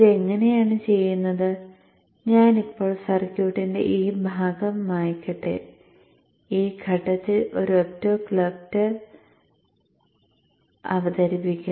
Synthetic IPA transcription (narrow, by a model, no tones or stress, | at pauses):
iðeŋːɐne̞jaːɳɨt͡ɕe̞jːunːɐðɨ | ɲaːnipːo̞ːɭsɐrkʲjuːʈːinde̞̰ʔiːbʱaːɡɐmːaːjkːɐʈːḛ | iːɡʰʱɐʈːɐt̪ːilo̞ɾuotːoːklɐk̚tːɐr | ɐ̰ʋɐd̪ɐɾipːikʲːu